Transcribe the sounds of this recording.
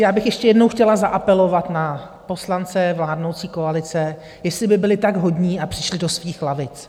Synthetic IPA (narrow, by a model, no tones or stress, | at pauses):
jaːbɪxjɛʃcɛjɛdno̞wxcɛlazaʔapɛlo̞vat̪na | po̞slant͡sɛvlaːdnowt͡siːko̞alɪt͡sɛ | jɛslɪbɪbɪlɪt̪aɡɦo̞dɲiːapr̥ɪ̥ʃlɪdosviːxlavɪt͡s